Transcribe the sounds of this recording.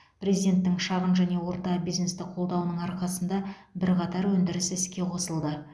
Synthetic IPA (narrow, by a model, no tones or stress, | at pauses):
pɾezid̪ʲe̞nt̪ːɪŋʃɑʁənʒæne̞wo̞ɾt̪ɑbijzne̞st̪ɪqʰo̞lˠd̪ɑwənəɴɑɾqɑsənd̪ɑbɪɾqɑt̪ɑɾwɵnd̪ɪɾɪsɪɪskʲe̞qʰo̞səlˠd̪ə